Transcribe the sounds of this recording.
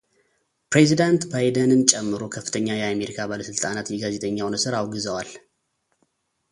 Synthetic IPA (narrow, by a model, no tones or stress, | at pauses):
pɾezid̪ant̪bajd̪ənɨnt͡ʃʼɛmːɨɾokʰəfːɨ̥t̪ʰəɲːajɛame̞ɾikʰabaləsɨlt̪ʼanat̪jɛɡaze̞t̪ʰʼəɲːawnɨsɨɾawɡɨzəwal